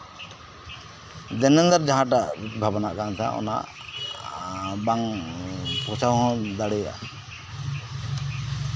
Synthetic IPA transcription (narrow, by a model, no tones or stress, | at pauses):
d̪ɛnɛnd̪aɾd͡ʒaɦãʈaʔbʱabanaʔkansa̰ʔɔ̰na̰ʔ | baŋ | pɾɔt͡ʃawɦɔ̃d̪aɽɛjaa̰